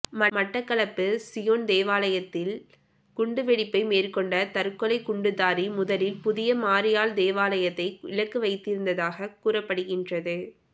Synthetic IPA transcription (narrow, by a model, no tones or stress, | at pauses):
mɐmɐʈːɐkːɐɭɐpːɯsɪjoːnd̪eːʋaːlɐjɐt̪ːɪl | kʊɳɖɯʋɛɽɪpːɐɪmeːrkɔɳɖɐt̪ɐɾɯkːɔlɐɪkʊɳɖɯðaːɾimʊðɐlɪlpʊðɪjɐmaːɾɪjaːld̪eːʋaːlɐjɐt̪ːɐɪɪɻɐkːɯʋɐɪt̪ːɪɾɯnd̪ɐðaːɣɐkuːrɐpːɐɽɯɣɪndrɐðɯ